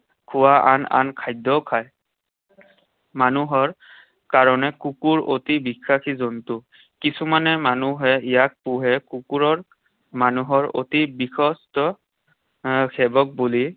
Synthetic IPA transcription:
kʰuwaʔana̰nkʰajdɔkʰaj | manuɦɔɹ | kaɹɔnɛkukuɹotibikʰːakʰizɔntʊ | kisumanɛmanuɦɛijak̚puɦɛkukuɹɔɹ | manuɦɔɹo̰tibixʰɔstɔ | kʰɛbɔk̚buli

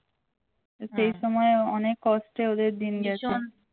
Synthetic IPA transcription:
ʃejʃɔmɔeɔnekːɔsʈeod̪eɾd̪inɡɛt͡ɕʰe

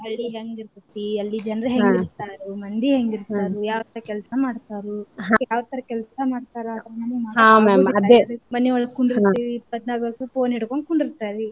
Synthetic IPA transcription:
ɐɭːiɦeŋɡiɾt̪ut̪ːiɐlːid͡ʒɐnɾɐɦeɡit̪aːɾumɐnd̪iɦeŋɡiɾt̪aːɾujaːʋt̪ɐɾɐkɛlsɐmaːɽt̪aːɾuɦajaːʋt̪ɐɾɐkɛlsɐmaːɽt̪aːɾat̪ɐɐmɐnemaːɦãːmamɐd̪emɐnːeɔɭːɐkuɳɖiɾiɾiːpːɐt̪naːɡʋɐɾɐsupoːnɦiɽkoɳɖkuɳɖiɾt̪aːɾi

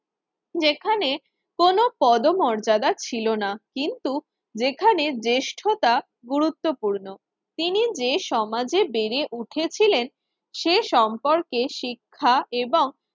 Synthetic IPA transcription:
d͡ʑekʰane | konopɔd̪omɔɾd͡ʑad̪at͡ɕʰilonakint̪u | d͡ʑekʰaned͡ʑeʃʈʰot̪a | ɡuɾut̪ːopuɾno | t̪inid͡ʑeʃɔmad͡ʑebeɾeʔuʈʰet͡ɕʰilen | ʃeʃɔmpoɾkeʃikʰːaeboŋ

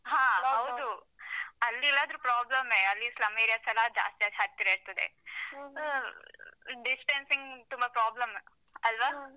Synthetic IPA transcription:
ɦãːɦɐwd̪u | ɐlːilːaːd̪ɐɾupɾaːblɐmeɐtlːislɐmeːɾijasɐlɐd͡ʒa̰ːst̪ijad͡ʒaːɾ̚t̪iɾeːɾt̪ɐd̪ḛ | ɖisʈensiŋɡt̪umbɐpɾaːblɐm | ɐlʋaː

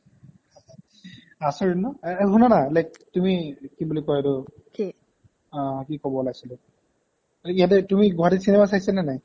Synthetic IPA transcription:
asaɹinːɔɦunanalajk̚tumikibulikɔjɛdʊ | kĩ | kikɔbɔlaɡsilʊ | ijat̬ɛtumiɡɔɦatisinɛmasajsanɛnaj

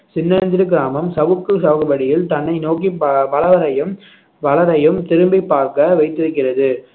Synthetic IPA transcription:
sɪnːɐnd̪ɪɾɯɡɪɾaːmɐmsɐʋɯkːɯsɐːɣɯbɐɽɪjɪlt̪ɐnːɐɪnoːkiʋɐlɐʋɐɾɐjɯm | ʋɐlɐɾɐjɯmt̪ɪɾɯmbɪpːaːɾkɐʋɐɪt̪ːɪɾɯkːɪrɐðɯ

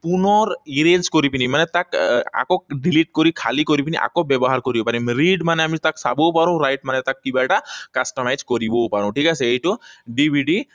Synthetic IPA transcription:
punɔɾiɾed͡ʒkɔɾipinimanet̪aka̰kɔɖiliʈkɔɾikʰalikɔɾipiniʔa̰kɔbjebɔɦaɾkɔɾiopanimɾiɖmaneamit̪aksa̰bopaɾũɾajʈ̚manet̪akːibaʈakasʈɔmajd͡ʒkɔɾibopaɾũʈʰikasʰeeʈuɖibʱiɖi

